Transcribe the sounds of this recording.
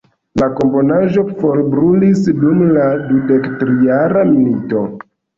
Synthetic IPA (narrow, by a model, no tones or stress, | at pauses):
lako̞mpo̞naʒo̞fo̞ɾbɾulisdumladude̞ktɾijaɾamilito̞